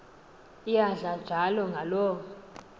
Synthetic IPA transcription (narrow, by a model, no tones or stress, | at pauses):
ijaɮḁd͡ʒ̥ʱalɔŋɡʱalɔːɔ